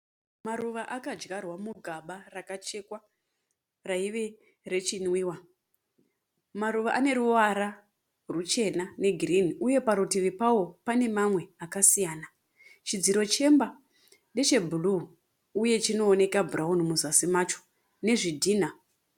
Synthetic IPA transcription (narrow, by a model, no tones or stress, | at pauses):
maruʋaʔakad͡ʒɡarwamuɡʱaɓarakat͡ʃe̞kwa | raiʋe̞ | re̞t͡ʃinwiːwa | maɾuʋaʔane̞ɾuʋaɾa | rut͡ʃe̞nane̞ɡʱiriniʔuje̞paɾutiʋipawo̞pane̞mamwe̞akasijaːna | t͡ʃid͡ziɾo̞t͡ʃe̞mba | nɗe̞t͡ʃe̞bʱulu | uje̞t͡ʃino̞ːne̞kabʱuraunumuzasimat͡ʃo̥ | ne̞ʐidʱiːna